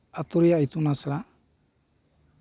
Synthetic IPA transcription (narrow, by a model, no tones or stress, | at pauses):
at̪uɾijait̪unasɛɽa